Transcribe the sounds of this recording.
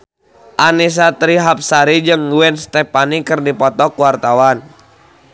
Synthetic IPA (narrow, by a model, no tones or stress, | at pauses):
ʔanis̬at̪ɾiɦap̚saɾid͡ʒɨŋuɛnst̪ɛpanikɨrdipɔt̪ɔkuwart̪awan